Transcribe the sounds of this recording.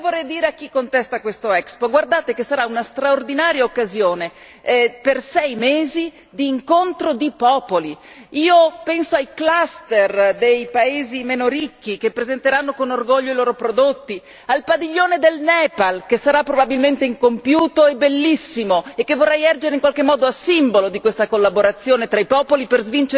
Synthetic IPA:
vorːɛjd̪iːɾeak̟ːikːont̪ɛst̪akwest̪oɛkspoɡward̪aːt̪ekesːaɾaunast̪ɾaord̪inaːɾjaokːazjoːne | persɛjmeːzi | d̪iːŋkont̪ɾod̪ipɔːpoli | iːopɛnsoajklast̪erd̪ejpaeːzimenoɾikːikepːɾezent̪eɾanːokonorɡoʎːoiloːɾopɾod̪ot̪ːi | alpad̪iʎːoːned̪elnɛpalkesaɾapːɾobabilment̪eiŋkompjuːt̪oɛbelːisːimoekːevːorːɛjɛrd͡ʒeɾeiŋkwalk̟emːɔːd̪oasimbolod̪ikwest̪akolːaboɾat̪sːjoːnet̪ɾaipɔːpoliperzvint͡ʃe

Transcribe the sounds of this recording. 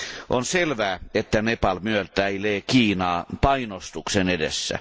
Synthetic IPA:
ʔonselʋæːet̪ːænepɑlmyølt̪æileːkiːnɑːpɑinost̪uksenedḛsːæ̰

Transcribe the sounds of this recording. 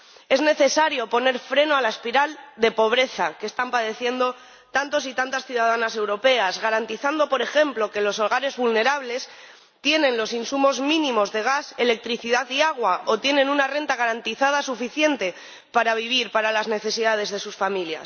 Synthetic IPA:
e̞zne̞θe̞saɾjo̞po̞ne̞ɾfɾe̞noalaespiɾald̪e̞po̞β̞ɾe̞θake̞st̪ampaðe̞θje̞nd̪o̞ | t̪ant̪o̞sit̪ant̪asθjuðað̞anase̞wɾo̞pe̞azɣaɾant̪iθand̪o̞po̞ɾe̞xe̞mplo̞ke̞lo̞so̞lɣaɾe̞zβulne̞ɾaβle̞s | t̪je̞nẽ̞nlo̞sinsumo̞zmĩnĩmo̞zðe̞ɣ̞ase̞le̞k̚t̪ɾiθiðaðiaɣ̞wao̞t̪je̞nẽ̞nunare̞nt̪aɣ̞aɾant̪iθaðasufiθje̞nt̪e̞ | paɾaβ̞iβ̞iɾpaɾalazne̞θe̞siðað̞e̞zðe̞susfamilja̰s

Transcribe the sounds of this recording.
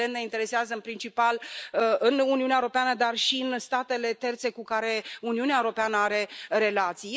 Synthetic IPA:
ent̪ne̞int̪e̞ɾe̞seazəɨnpɾint͡ʃipalɨnuniuneaeoɾopeanəd̪arʃiɨnst̪at̪e̞le̞t̪e̞rt̪se̞kukaɾe̞uniuneaeoɾo̞peanəaɾe̞ɾe̞lat̪sij

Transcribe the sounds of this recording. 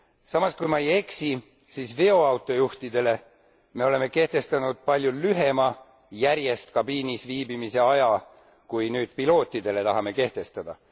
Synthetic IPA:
sɑmɑskujmɑeje̞ksi | siːsveo̞ɑwt̪ːˑo̞juht̪id̪e̞le̞ | me̞o̞le̞mːe̞ke̞ht̪e̞st̪ɑnud̪̥̚pɑlʲjulyɦe̞mɑ | jæɾje̞st̪̚kɑbiːnisviːbimise̞ɑjɑ | kujnyːd̪̥pilo̞ːt̪ʲːˑid̪̥e̞le̞t̪ɑɦɑme̞ke̞ht̪e̞st̪ɑd̪̥ɑ

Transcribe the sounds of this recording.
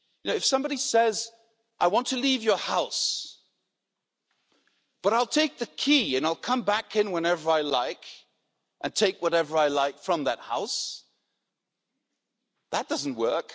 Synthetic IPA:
jɨnoʊɨfsʌ̃mbɑɾisɛz | ʔaɪwɑ̃ntʰɨlivjə˞haʊs | b̥ʌɾaɪlˠtʰeɪk̚ðɨkʰiɨ̃naɪlˠkʰʌ̃mbækɨ̃nwə̃nɛvə˞aɪlaɪk | ʔɨ̃ntʰeɪkwʌɾɛvə˞aɪlaɪkfɹʌ̃mðɨt̚ha̰ʊs | ðət̚d̥ʌzn̩ʔwɜ˞k

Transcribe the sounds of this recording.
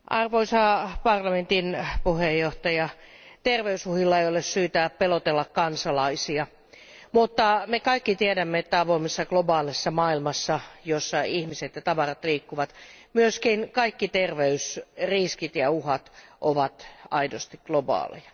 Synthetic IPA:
ʔɑrʋoisɑːpɑrlɑment̪inpuhejːoht̪ɑjɑt̪erʋeysuhilːɑeijolessyːt̪æpelot̪elːɑkkɑnsɑlɑisiɑ | mut̪ːɑmekɑikːit̪iedæmːeet̪ːæɑʋoimesːɑklobɑːlisːɑmɑːilmɑsːɑjosːɑihmiset̪jɑt̪ɑʋɑrɑt̪liːkːuʋɑt̪myøskinkɑikːit̪erʋeysriskit̪jɑuhɑt̪ʔoʋɑt̪ɑidost̪ikɡ̥lobɑ̰ːlḭjɑ

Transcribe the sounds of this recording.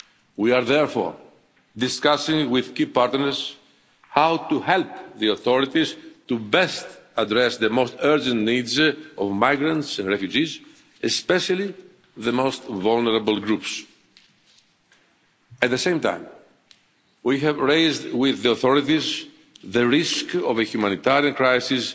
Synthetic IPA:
wiaɾðɛɹfo̰ɹ | d̪iskasĩŋwiðkipaɾt̪nəɾz̥ | hawt̪uhɛlpðioθoɾit̪izt̪ubɛst̪ɐd̪ɾesðemost̪ɜɹd͡ʒə̃nt̪nidzovmajɡɾɐ̃ntsɛ̃nd̪ɹefjud͡ʒiz | espeʃɐli | ðemost̪valneɾɐbəl̩ˠɡɾups | ɐt̪̚ðesẽjmt̪ã̰ɪ̃m | wiɦɛvɹejzd̪wiðioθoɾit̪iz | ðəɾiskovəçjumɐ̃nit̪aɾiɐ̃nkɾajsis

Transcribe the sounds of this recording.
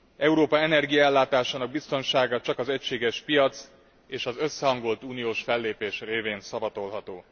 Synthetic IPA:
ɛuɾoːpɒɛnɛrɡijɒɛlːaːt̪aːʃaːnɒɡ̚bist̪o̞nʃaːɡɒt͡ʃɒkɒzɛcʃeːɡɛʃpijɒt̪s | eːʃɒzøsːɛɦɒŋɡo̞lt̪uːnijoːʃfɛlːeːpeːʃreːveːnsɒbɒt̪o̞lɦɒt̪oː

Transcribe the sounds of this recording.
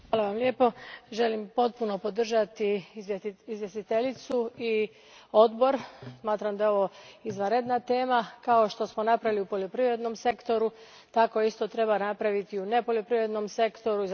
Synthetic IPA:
aːlaʋamlʲe̞ːpo̞ʒe̞limpo̞t̪̚puno̞po̞d̪r̩ʒat̪i | izʋje̞st̪it̪eʎit̪sui | o̞d̪bo̞ɾsmaːt̪ɾamd̪ao̞ʋo̞izʋaɾed̪nat̪e̞ːmakao̞ʃt̪o̞smonapɾaʋiliupoʎo̞pɾiʋɾe̞d̪no̞mse̞kt̪o̞ɾu | t̪ako̞ist̪o̞t̪ɾe̞βanapɾaʋit̪iune̞po̞ʎo̞pɾiʋɾe̞d̪no̞mse̞kt̪o̞ɾuz

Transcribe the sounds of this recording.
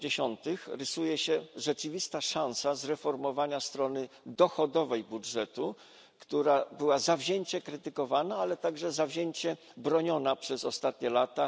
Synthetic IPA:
eɕɔnt̪ɘxɾɘsujɛɕɛʐɛt͡ʂɘvʲist̪aʂãñsazɾɛfɔɾmɔvaɲast̪ɾɔnɘd̪ɔxɔd̪ɔvɛjbudʐɛt̪u | kt̪uɾabɘwazavʑeɲt͡ɕɛkɾɘt̪ɘkɔvanaalɛt̪aɡʐɛzavʑeɲt͡ɕɛ | bɾɔɲɔnapʂɛzɔst̪at̪ɲɛlat̪a

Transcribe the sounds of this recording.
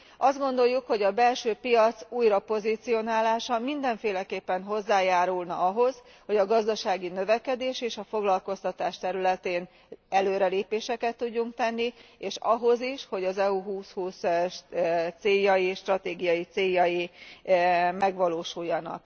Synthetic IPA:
ɒzd̪̚ɡo̞nd̪o̞jːukho̞ɟɒbɛlʃøːpijɒt̪suːjrɒpo̞zit̪sijo̞naːlaːʃɒmind̪ɛɱfeːlɛkeːpːɛnɦo̞zːaːjaːɾulnɒ̰ɒɦo̞z | ho̞ɟɒɡɒzd̪ɒʃaːɡinø̞vɛkɛd̪eːʃeːʃɒfo̞ɡlɒlko̞st̪ɒt̪aːʃt̪ɛɾylɛt̪eːn | ɛløːɾɛleːpeːʃɛkɛt̪ːuɟːuŋkt̪ɛnːieːʃɒɦo̞ziʃho̞ɟɒzɛuɦuːshuːs | t̪seːjːɒjiʃt̪rɒt̪eːɡijɒjit̪seːjːɒji | mɛɡʋɒloːʃujːɒnɒ̰k̚

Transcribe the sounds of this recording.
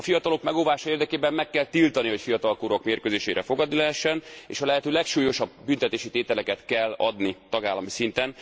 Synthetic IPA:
ɒfijɒt̪ɒlo̞kmɛɡoːvaːʃɒeːrd̪ɛkeːbɛmmɛkːɛlt̪ilt̪ɒniɦo̞cfijɒt̪ɒlkoːɾokmeːrkøːzeːʃeːɾʔɛfo̞ɡɒd̪nilɛɦɛʃːɛnḛːʃɒlɛɦɛt̪øːlɛkʃuːjo̞ʃɒbːynt̪ɛt̪eːʃit̪eːt̪ɛlɛkɛt̪kɛlːɒd̪nit̪ɒɡaːlːɒmisint̪ɛn

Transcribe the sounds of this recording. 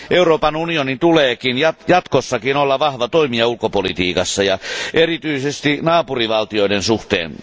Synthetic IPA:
ʔeuroːpɑnunionint̪uleːkinjɑjɑt̪kosːɑkinolːɑʋɑhʋɑt̪oimiɑulkopolḭt̪iːkɑsːɑjɑʔerit̪yisest̪inɑːpuriʋɑlt̪ioiɾensuht̪ḛːn

